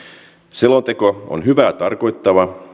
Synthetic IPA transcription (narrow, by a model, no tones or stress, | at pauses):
selont̪ekoo̰nɦyʋæːt̪ɑrko̞jt̪ːɑʋɑ